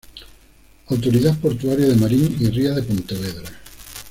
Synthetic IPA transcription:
awt̪oɾiðapoɾt̪uaɾjaðemaɾiŋiriaðepont̪eβ̞eðɾa

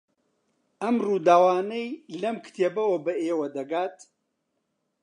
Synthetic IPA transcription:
ɐmruːd̪aːwaːnɐjlɐmkt̪ʰeːbɐwobɐeːwɐd̪ɐɡaːt̪

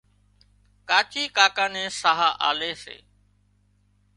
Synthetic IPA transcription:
kaːt͡ʃiːkaːkaːnẽːsaɦaːʔaːleːsḛː

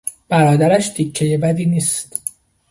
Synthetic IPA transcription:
b̥æɾɒːd̪æɾæʃd̪icʰːejebæd̪iːniːst̪

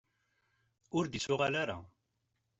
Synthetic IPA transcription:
ʊɾd̪isʊʁalaɾa̰

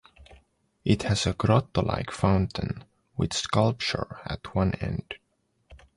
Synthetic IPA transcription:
ʔɪthɨzəɡɹɑt̪əla̰ɪkfãʊ̃ntʰɨ̃n | wɪð̥skʌlˠp̚t͡ʃə̰˞ɨ̰tʰwʌ̃nɛ̰̃nd̥

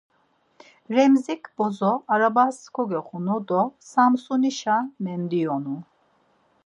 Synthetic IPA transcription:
ɾɛmzikʰbɔzɔaɾabaskʰɔɡɛχunɔd̪ɔsamsuniʃamɛnd̪iɔnu

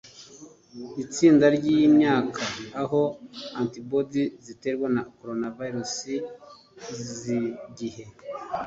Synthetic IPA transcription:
it͡siːndaɾɟijimɲaːkʰaːɦo̞antibodizite̞ɾwenako̞ɾonavaiɾusi | ziɟihe̞

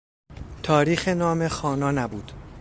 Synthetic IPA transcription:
t̪ʰɒːɾiːxe̞nɒːme̞xɒːnɒːnæbuːd̪̥

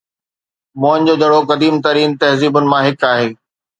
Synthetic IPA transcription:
moːɪnd͡ʑoːd͡ʑɐɽokɐd̪iːmt̪ɐɾiːnt̪ɐɦziːbʊnɪ̆mãɦɪkaːɦeː

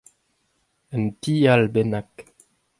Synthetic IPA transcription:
əntialbenak

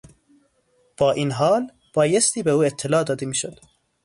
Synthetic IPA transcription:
b̥ɒːʔiːnɦɒːl | b̥ɒːjest̪iːbeuːet̪ʰːelɒːd̪ɒːd̪emiːʃod̪̥

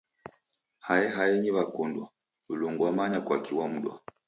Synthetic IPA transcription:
hajɛɦajɛɲiβakundwa | uluŋɡwamaɲakwakiwam̩ɗwa̰

